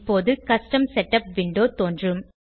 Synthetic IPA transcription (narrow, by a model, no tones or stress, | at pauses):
pːoːðɯkɐsʈɐmsɛʈːɐp̚ʋɪɳɖoːt̪oːndrɯm